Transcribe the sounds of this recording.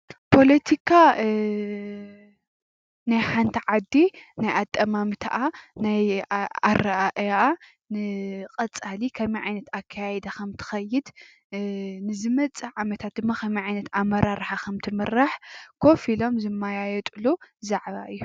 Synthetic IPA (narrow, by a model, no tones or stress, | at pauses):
pʰo̞lɐt̪ʰikʰa | najħant̪ʰɐʕad̪ːinajat̪ʼːɐmamt̪ʰa̰ʔanajaɾːaʔaʔʔa | nɨqʼɐt͡sʼalikʰɐmiʕajnɐt̪akʰːajajɛd̪ɐxʰɐmt̪ʰɨ̥xɐjɪd̪ | nɨzɨmɐt͡sʼːɨʕamɐt̪ʰat̪̚d̪ɨmːakʰɐmiʕajnɐt̪ʰamːɐɾaɾħakʰɐmt̪ʰɨmɨɾːaħkʰo̞filo̞mzɨmːajajɛt̪ʼɨluzaʕβa̰ʔɨjːu